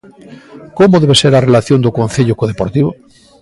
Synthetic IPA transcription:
komoðeβeseɾarelaθjond̪okon̟θeʎʊkoð̞epoɾt̪iβo

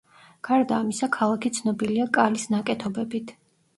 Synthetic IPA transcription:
ɡ̥aɾd̪aːmisakʰalˠakʰit̪sʰnɔbiliakʼalisnakʼɛt̪ʰɔbɛbit̪ʰ

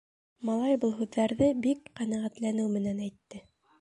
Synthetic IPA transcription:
mɑlˠɑjbɤlˠɦʉðːæɾðɘbikqænæʁæt̪lænɘwmɘ̆nænæjt̪ːɘ

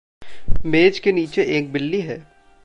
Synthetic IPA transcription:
meːd͡ʒkeniːt͡ʃeʔeːk̚bɪlːiɦɛː

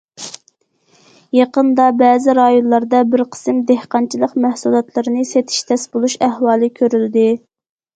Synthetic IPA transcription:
jɑqənd̪ɑbɛːzɪɾɑjonlˠɑɾd̪ɑbɪɾqʰə̥sɨmd̪ehqɑnt͡ʃʰilˠəqmæhsulˠɑt̪ʰlˠɨɾɨnɨset̪ʰɪ̥ʃt̪ʰɛsbolˠuʃæhwɑːlˠɨkʲʰøɾyld̪ɪ

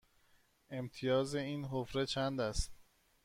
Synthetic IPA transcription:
ʔe̞mt̪ʰijɒːze̞iːnɦofɾe̞t͡ʃʰænd̪æst̪

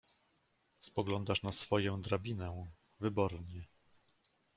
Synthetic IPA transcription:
spɔɡlɔnd̪aʂnasfɔjɔ̃w̃d̪ɾabʲinɛ | vɘbɔɾɲɛ

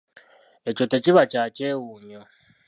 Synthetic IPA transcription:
et͡ʃɔtet͡ʃʼiβat͡ʃʼat͡ʃʼeuːɲɔ

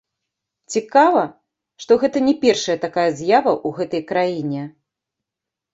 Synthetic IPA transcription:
t͡sʲikavɐ | ʂt̪ɔɣɛt̪ɐnʲɛpʲɛrʂɐjɐt̪akajɐzʲjavɐʔuɣɛt̪ɐjkɾajinʲɛ

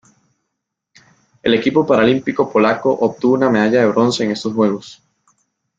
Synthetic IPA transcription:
e̞le̞kipopaɾalimpiko̞po̞lako̞ʔop̚t̪uβuname̞ðaʝaðe̞β̞ɾo̞nse̞ːŋe̞st̪o̞sxwe̞ɣ̞o̞s

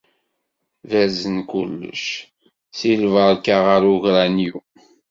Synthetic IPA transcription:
væzənkulːə̰ʃ | silvəɾkaʁəɾuʝɾanju

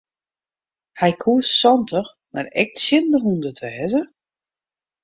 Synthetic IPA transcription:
hɛjkʰuəssɔntʰəx | marɛ̰k̚tsɪndəɦundətʰʋɛːzə

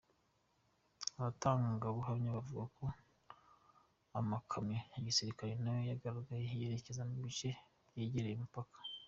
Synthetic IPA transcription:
aβataːŋɡaɡaβuɦamɲaβavuɡakʰo̞ | amakʰamɲeiɡisiɾikaɾenajo̞jaɡaɾaɡajeje̞ɾe̞ce̞zaniβit͡ʃe̞ | bɟeːɟeɾejimipakʰḁ

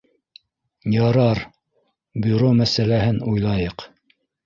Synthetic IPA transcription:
jɑɾɑɾ | bʲyɾomæsælæhɘnujlˠɑjɤq

